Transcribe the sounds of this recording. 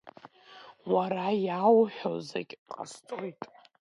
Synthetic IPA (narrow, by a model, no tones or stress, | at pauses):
waɾajawħᶣozakʲʼqʼa̰stʼojtʼ